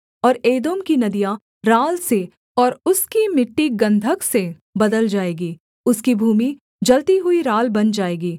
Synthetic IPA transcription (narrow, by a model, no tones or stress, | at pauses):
ɔːɾeːd̪oːmkinɐd̪ija | ɾaːlse | ɔːɾʊskimɪʈːiɡɐ̃nd̪ʱəkse | bɐd̪əld͡ʒaːeːɡiː | ʊskibʱuːmi | d͡ʒɐlt̪iɦʊiɾaːlbɐnd͡ʒaːeːɡiː